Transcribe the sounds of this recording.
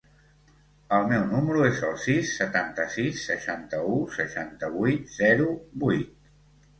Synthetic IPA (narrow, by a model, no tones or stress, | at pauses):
əlˠmɛwnuməɾuezəlˠsisːət̪ant̪əsisːəʃant̪əusəʃant̪əβujt̪z̥ɛɾubujt̪̚